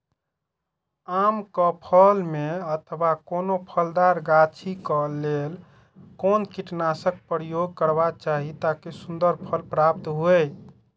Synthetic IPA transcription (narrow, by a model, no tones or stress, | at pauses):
amkəpʰəlmeət̪ʰwakonopʰəld̪aɾɡat͡ʃʰikəlel | konkiʈnasək̚pəɾjoɡ̚kəɾbat͡ʃaɦit̪akesund̪əɾpʰəlpɾap̚t̪ɦo